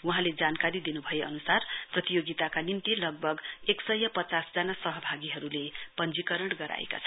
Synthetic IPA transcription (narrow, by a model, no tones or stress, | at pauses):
wuɦãled͡zankaɾid̪inubʱʌjeʌnusarprʌt̪ijoɡit̪akanimt̪ilʌɡ̚bʱʌɡeksʌjːʌpʌt͡sasd͡zanasʌɦʌbʱaɡiɦʌɾulepʌnd͡zikʌɾʌɽɡʌɾa̰ḛka̰t͡sʰʌ